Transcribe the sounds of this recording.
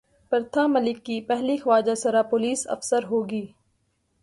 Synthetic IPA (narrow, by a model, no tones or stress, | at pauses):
pəɾt̪ʰaːmɐlɪkːipɛɦlixʋaːd͡ʒasɐɾapoːliːsɐ̰fsəɾɦoːɡiː